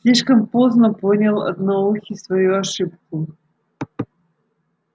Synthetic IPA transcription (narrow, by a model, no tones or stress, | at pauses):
slʲiʂkəmpoznə̆ponʲalˠɐ̰d̪nauxʲisvajuaʂɨp̚ku